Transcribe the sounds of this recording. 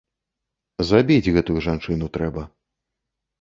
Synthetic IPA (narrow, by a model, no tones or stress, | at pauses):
zabʲid͡zʲɣɛt̪ujuʐant͡ʂɨnut̪ɾɛbɐ